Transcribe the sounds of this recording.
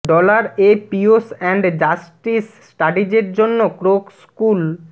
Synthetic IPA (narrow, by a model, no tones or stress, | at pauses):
ɖɔlaɾepiosɛɳɖd͡ʑasʈis | ʈaɖid͡ʑeɾd͡ʑonːokɾokskul